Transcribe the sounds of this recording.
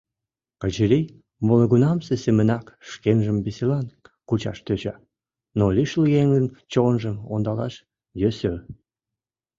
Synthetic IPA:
kət͡ɕəɾij | moləɣunɑmsesemənɑkʃkenʒəmbeselɑnkut͡ɕɑ̰ʃt̪øt͡ɕɑ | noliʃluɣeŋɡənt͡ɕonʒəmond̪ɑlɑʃ | jøsø

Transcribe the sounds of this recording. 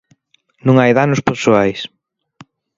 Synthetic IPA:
nũŋajðanʊspeɾsoajs

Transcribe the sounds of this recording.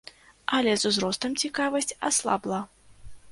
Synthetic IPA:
ɐlʲɛzuzɾɔst̪ɐmt͡sʲikavɐsʲt͡sʲa̰slˠa̰blˠa

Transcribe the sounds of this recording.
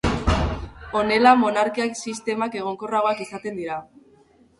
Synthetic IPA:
o̞ne̞lamo̞naɾkiaksist̪e̞make̞ɣ̞o̞ŋko̞raɣoakesat̪e̞nd̪iɾa

